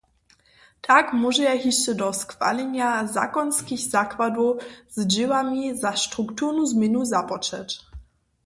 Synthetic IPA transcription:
t̪ʰakmuʒɛjɛɦiʃt͡ɕɛdɔskfa̰lɛɲjaza̰kɔnskʲiɣzakvad̪uz̥d͡ʑɪwamʲizaʃt̪ɾuktuɾnuzmʲjɛnuzapɔt͡ʂɛ̰t͡ɕ

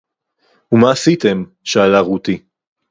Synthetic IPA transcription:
umaːsit̪e̞m | ʃaːlaʁut̪i

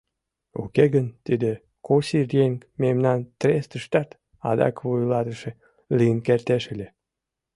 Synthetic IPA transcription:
ṵkeɣənt̪id̪e | kosirjeŋmemnɑnt̪rest̪əʃt̪ɑt̪ | ɑd̪ɑ̰kβujlɑt̪əʃe | liənkert̪eʃelʲe

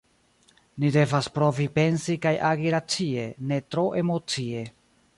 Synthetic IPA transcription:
nide̞vaspɾo̞vipe̞nsikajʔaɡiɾat͡sie̞ne̞tɾo̞ʔe̞mo̞t͡sie̞

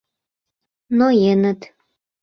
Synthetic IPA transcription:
nojenə̆t̪

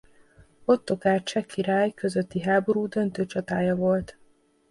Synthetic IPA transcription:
o̞t̪ːo̞kaːrt͡ʃɛkːiɾaːjkø̞zø̞t̪ːiɦaːbo̞ɾuːd̪ø̞nt̪øːt͡ʃɒt̪aːjɒvo̞lt̪

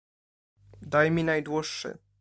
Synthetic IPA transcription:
d̪ajmʲinajd̪wɔʂːɘ̰

